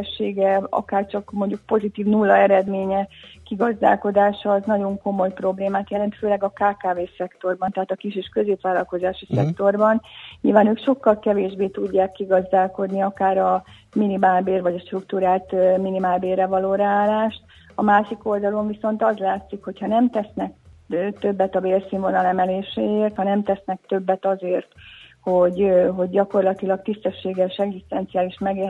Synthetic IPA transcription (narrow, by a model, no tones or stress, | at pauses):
ʃːeːɡɛɒ̰kaːrt͡ʃɒkmo̞ɲɟuk̚po̞zit̪iːvnulːɒɛɾɛd̪meːɲɛkiɡɒzd̪a̰ːlko̞d̪aːʃɒːznɒɟo̞ŋko̞mo̞jpro̞bleːmaːt̪jɛlɛnt̪føːlɛɡɒkaːkaːveːsɛkt̪o̞rbɒnt̪ɛɦaːt̪ɒkiʃeːʃkø̞zeːpʋaːlɒlko̞zaːʃisɛ̰kt̪o̞rbɒnɲḭlvaːnøːkʃo̞kːɒlkɛveːʒbeːt̪uɟːaːkːiɡɒzd̪aːlko̞d̪niɒkaːɾɒ | minimaːlbeːrvɒɟɒʃt̪rukt̪uɾaːlt̪minimaːlbeːrɛvɒloːɾaaːlːaːʃt̪ | ɒmaːʃiko̞ld̪ɒlo̞ɱviso̞nt̪ɒzlaːt̪sikho̞chɒnɛmt̪ɛsnɛkːt̪øbːɛt̪ɒbeːlsiːɱvo̞nɒlɛmɛleːʃeeːrt̪hɒnɛmt̪ɛsnɛk̚t̪ø̞bːɛt̪ɒzeːrt̪ho̞ɟɦo̞ɟːɒko̞rlɒt̪ilɒkt̪ist̪ɛʃːeːɡɛʃɛɡzist̪ɛnt̪siaːliʃmɛɡeː